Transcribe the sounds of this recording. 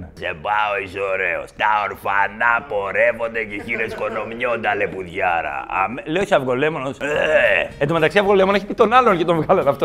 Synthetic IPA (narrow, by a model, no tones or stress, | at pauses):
sepaoisoɾeo̰st̪ɐoɾfɐnɐpo̞ɾevo̞nd̪eceçiɾesko̞no̞mɲond̪ɐlepuðʝɐɾɐ̰ːmleosiɐvɣo̞lemonoseet̪omet̪ɐksiɐvɣo̞le̞moneçi̥pit̪o̞nɐloncet̪oɱvɣɐlɐnɐft̪o